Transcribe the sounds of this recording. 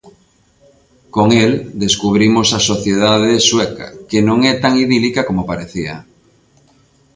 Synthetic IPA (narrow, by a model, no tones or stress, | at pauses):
koŋeld̪eskuβɾimosasoθjeðaðeswɛka̰kenõŋɛt̪aŋiðilikakomopaɾeθiɐ̰